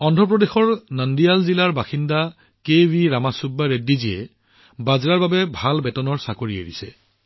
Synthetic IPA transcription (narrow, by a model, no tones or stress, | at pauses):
ɔndʱɔpɹɔdexɔɹnandijalzilaɹbaxinda | kewiɹamasubːaɹedːiziɛ | bazɹaɹbabɛbʱalbɛtɔnɔɹsakoɹiḛɹisɛ̰